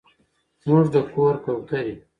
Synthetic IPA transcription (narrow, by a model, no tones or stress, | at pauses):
muʐd̪əkoɾkawkaɾi